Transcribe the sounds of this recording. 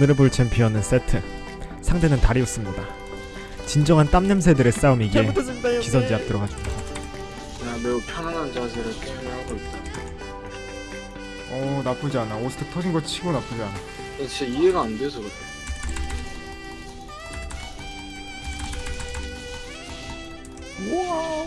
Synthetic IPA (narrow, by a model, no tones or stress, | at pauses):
ɯɾɯbuɭt͡ɕʰenpiʌnɯns͈e̞tʰɯ | sʰaŋtʰenɯntaɾiʌs͈ɯmɲida | t͡ɕind͡ʑʌŋɦant͈amɲems̬ʰe̞dɯɾe̞s͈aɯmiɡekisʰʌnd͡ʑiap̚t͈ʌɾʌkɦad͡ʑoida | jame̞upʰjʌnanant͡ɕas̬ʰeɾɯɭk͈eɯneɦaɡoip̚t͈ae | ʌnap͈ɯd͡ʑianaosɯ̥tʰɯtʰʌd͡ʑinɡʌɭt͡ɕʰiɡonap͈ɯd͡ʑiana | et͡ɕit͡ɕ͈aieɡaandesʰʌɡɯtʰe